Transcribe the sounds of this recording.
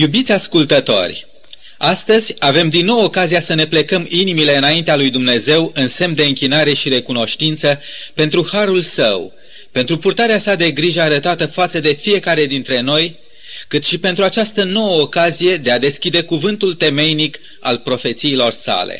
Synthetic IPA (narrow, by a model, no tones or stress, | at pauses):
jubit̪sʲaskult̪ət̪o̞̰rʲ | ast̪əzʲave̞md̪inːo̞wo̞kaziasəne̞ple̞kəminimile̞ɨnaint̪ealujd̪umne̞ze̞wɨnse̞md̪e̞ɨŋkʲinaɾe̞ʃiɾe̞kuno̞ʃt̪int̪səpe̞nt̪ɾuhaɾulsə̰w | pe̞nt̪ɾupurt̪aɾeasad̪e̞ɡɾiʒəaɾət̪at̪əfat̪səd̪e̞fije̞kaɾe̞d̪int̪ɾe̞no̞j | kɨt̪ʃipe̞nt̪ɾuat͡ʃast̪əno̞wəokazije̞d̪e̞ad̪e̞skʲid̪e̞kuvɨnt̪ult̪e̞me̞jnik | a̰lpɾo̞fe̞t̪siːlo̞rsa̰lḛ